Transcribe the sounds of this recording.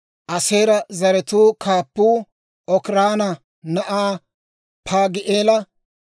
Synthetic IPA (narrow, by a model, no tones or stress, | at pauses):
ʔɐseːɾɐzɐɾɛt̪uːkʰaːpːuː | ʔɔkɾaːnɐ | nɐʔaː | pʰaːɡɪʔeːlɐ